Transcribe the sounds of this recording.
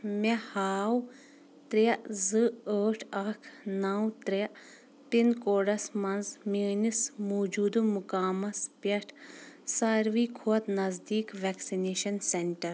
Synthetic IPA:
mehaːw | t̪ɾeɐzɨəːʈʰɐkʰnaːwt̪ɾe | pinkoːɖɐsmɐnzmeːnismoːd͡ʒuːd̪umukaːmɐspɐʈʰsaɾʋiːkʰuɐt̪nɐzd̪iːkʋɛːksineːʃɐnseɳʈɐɾ

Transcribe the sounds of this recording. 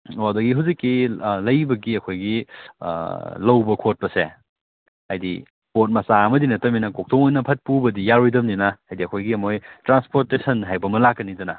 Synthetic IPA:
odɐɡiɦuzikːilɐjbɐɡiɐkʰojɡḭ | lɐwbɐkʰot̚pɐse | hajdi | kot̚mɐsaɐmɐdinɐtɐminɐkok̚tʰoŋojnɐpʰɐt̚pubɐdijaɾijdɐmninɐajdiɐkʰojɡiɐmojtɾanspoɾtesɐnɦajbɐmɐlakːɐnidɐnɐ

